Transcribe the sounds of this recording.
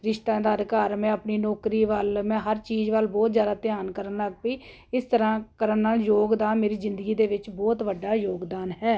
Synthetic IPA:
ɾɪʃt̪ãːd̪aːɾkaːɾmɛ̃ːəpniːnɔːkɾiːʋəlmɛ̃ːɦəɾt͡ʃiːzʋəlbɔːt̪zjaːd̪aːt̪ɪjaːnkəɾənləɡpiː | ɪst̪əɾãːkəɾənːaːljoːɡd̪aːnmeːɾiːzɪ̃nd̪əɡiːd̪eːʋɪt͡ʃbɔːt̪ʋəɖːaːjoːɡd̪aːnɦɛː

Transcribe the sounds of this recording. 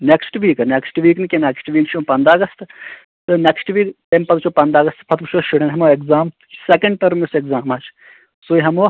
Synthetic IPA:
neksʈʋiːkɐneksʈʋiːknikʲeneksʈʋiːkt͡ʃʰõːpɐnd̪aːɡɐst̪ | t̪ɨneksʈʋiːkt̪empɐt̪t͡ʃʰoːpɐnd̪aːɡɐst̪pʰɐt̪bt͡ʃʰoːʃuɽenɦɐmoːekzaːm | sekɐɳɖʈɐɾmisekzaːmaːt͡ʃʰ | soːiɦɐmoː

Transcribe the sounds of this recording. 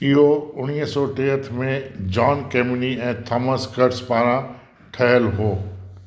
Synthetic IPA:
ɪɦoʊniɦsɔːʈeːɦət̪ʰmẽd͡ʒaːnkeːmniɛ̃ːt̪ʰɐməskəɾspaːɾã | ʈʰɛɦəlɦoː

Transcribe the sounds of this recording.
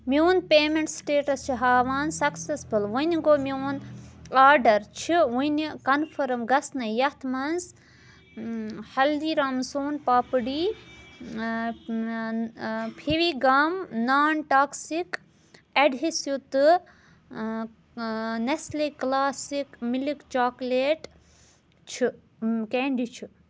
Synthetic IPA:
mioːnpeːmeɳʈsʈeːʈɐst͡ʃʰiɦaːʋaːnsɐksesbɨlʋunʲɡoːmioːnaːɖɐɾt͡ʃʰiʋunikɐnfʰɐɾmɡɐsnɐjɐt̪ʰmɐnz | hɐld̪iːɾaːmsoːnpaːpɨɽiː | pʰiʋiːɡamnaːnʈaːksik | eɖɦisjut̪ɨ | nesleklaːsikmilikt͡ʃaːkleːʈ | t͡ʃʰi | keːɳɖit͡ʃʰi

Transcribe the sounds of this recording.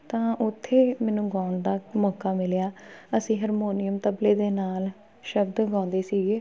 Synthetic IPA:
t̪ãːʊt̪ʰːeːmɛːnũːɡãːʊnd̪aːmɔːkːaːmɪljaːəsĩːɦəɾmoːnɪjəmt̪əbleːd̪eːnaːl | ʃəbd̪ɡãːnd̪eːsiːɡeː

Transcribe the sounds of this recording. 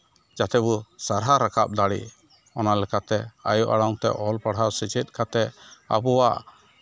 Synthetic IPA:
d͡ʒat̪ɛbusaɾɦaɾakʰa̰p̚d̪aɽḭʔ | ɔnalɛkat̪ɛa̰juʔa̰ɽɔŋt̪ɛ̰ʔɔlpaɽɦawsit͡ʃɛt̪̚ˀkʰat̪ɛa̰buwaʔ

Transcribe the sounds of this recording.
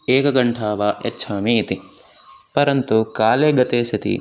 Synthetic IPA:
eːkɐɡɐɳʈʰaːʋaʔḛtːʃʰaːmiːt̪i | pɐɾɐnt̪ukaːleːɡɐt̪eːsit̪ḭ

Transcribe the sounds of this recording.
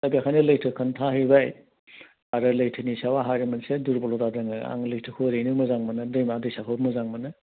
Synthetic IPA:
abiakʰajnɯlɯjtʰɯkʰɐntʰaɦijbaj | aɾɯlɐjtʰɯnisawaɦajɾɯmɐnseduɾbɔlodadɯŋɯ̰a̰ŋlɯjtʰɯkʰɯɾejnɯmɐzaŋmɐnɯdɯjmadɯjsakʰɯwmɐzaŋmɐnɯ

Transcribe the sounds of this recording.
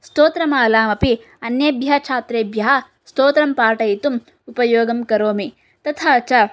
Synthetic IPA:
st̪oːt̪ɾɐmaːlaːmɐpi | ɐnjɐbjɐɦɐt͡ʃʰaːt̪ɾeːbjɐɦɐ | st̪oːt̪ɾɐmpaːʈɐjit̪um | upɐjoːɡɐmkɐɾoːmi | t̪ɐt̪ʰat͡ʃɐ

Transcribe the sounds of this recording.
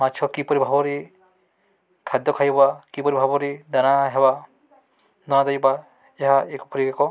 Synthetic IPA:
matːt͡ʃʰɔkipɔɾibʱabɔɾi | kʰad̪jɔkʰajbakipɔɾibʱabɔɾid̪anaɦeba | d̪ɔnad̪ajba | eɦaekɔpɔɾikekɔ

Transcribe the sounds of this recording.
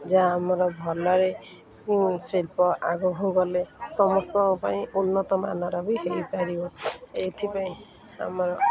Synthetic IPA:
d͡ʒaːmɔɾɔbʱɔlɔɾe | selpɔʔaɡɔɦũɡɔlesɔmɔst̪ɔpaĩʔunːɔt̪ɔma̰nɔɾɔbiɦejpaɾibɔet̪ʰipaĩ | a̰mɔɾɔ

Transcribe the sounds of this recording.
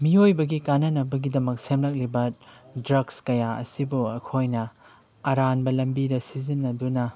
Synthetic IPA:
miojbɐɡikanːɐnɐbɐɡidɐmɐk̚semlɐk̚libɐdɾɐɡskɐjaɐ̰sibuɐkʰojnɐ | ɐɾanbɐlɐmbidɐsizinːɐdunɐ

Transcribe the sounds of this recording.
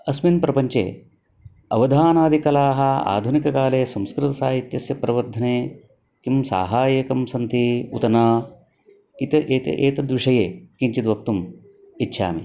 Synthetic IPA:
ɐsminpɾɐpɐɲt͡ʃḛː | ɐʋɐd̪ʱaːnaːd̪ʱikɐlaːɦɐa̰ːd̪ʱunikɐkaːleːsɐmskɾɪt̪ɐsaːɦit̪jɐsjɐpɾɐʋɐɾd̪ʱɐneː | kimsa̰ːɦaːjɐkɐmsɐnt̪iṵt̪ɐnaː | it̪ɐʔeːt̪ɐ̰ʔeːt̪ɐd̪ʋiʂɐjeːkiɲt͡ʃid̪ʋɐk̚t̪um | itːʃʰa̰ːmḭ

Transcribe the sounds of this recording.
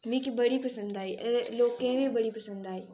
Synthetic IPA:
mĩkibɐɽipɐsə̃nd̪aːiʔloːkkẽɦʋẽbɐɽipɐsə̃nd̪aːɦiː

